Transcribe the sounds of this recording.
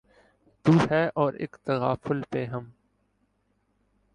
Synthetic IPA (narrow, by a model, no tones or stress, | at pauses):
t̪uːhɛːʔɔːɾḛːkt̪əɣaːfʊlpeɦɐm